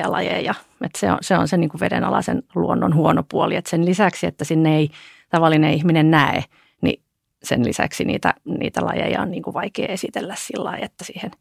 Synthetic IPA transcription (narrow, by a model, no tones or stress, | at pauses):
ɑlɑjḛjɑet̪sḛo̰nseonseniːŋkuʋedenɑlɑsenluonːonhuonopuoliet̪senlisæksiḛt̪ːæsinːeeit̪ɑʋɑlːineihminennæḛ | nḭ | sḛnlisæ̰ksinḭːt̪æ̰niːt̪ælɑ̰jḛjɑoniːŋkuʋɑikḛːesit̪elːæssilːɑiet̪ːæsiːhen